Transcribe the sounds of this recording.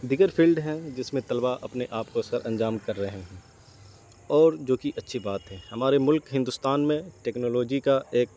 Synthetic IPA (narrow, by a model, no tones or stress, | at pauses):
d̪iɡəɾpʰiːlɖɦɛ̃d͡ʒɪsmẽt̪ɐlbaʔɐpneʔaːpkosəɾʔɐ̃nd͡ʒaːmkɐɾːɐɦeɦɛ̃ | ɔːɾd͡ʒoːkiʔɐtːʃʰibaːt̪ɦɛːhɐmaːɾemʊlkɦɪ̃nd̪ʊst̪aːnmẽʈɛːknoːloːd͡ʒikaeːk̚